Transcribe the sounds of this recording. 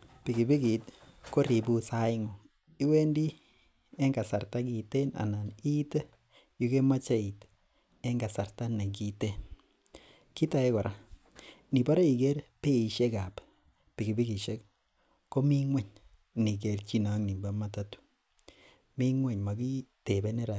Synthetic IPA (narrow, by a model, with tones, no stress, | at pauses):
pi˨ɡi˨bi˦ɡi˨tko˦ɾi˨bu˦sa˦ɪ˦ŋo˨ | i˦we˦ndi˦ | e˦ŋɡa˨sa˨ɾta˦ki˨te˦na̰˨na˨ni˦te˦ | ju˦ke˦ma˦t͡ʃa˦i˨t | e˦ŋɡa˨sa˨ɾta˦ne˨k̬i˦te˦˨n | ki˦ta˨e˦kɔ˨ɾʔa˦ | ni˨ba˦ɾa˦i˨ɡe˦ɾpe˦i˨ʃe˦ka˨p | pi˨ɡi˨bi˦ɡi˨ʃe˦k | ko˦mi˦ŋwɛ˦˨ɲ | ni˨ke˨ɾt͡ʃi˦na˦ŋni˨mba˨ma˦ta˦tu̥˨ | mi˦ŋwe˨ɲma˨ɡi˦te˨be˦ne˦ɾa˨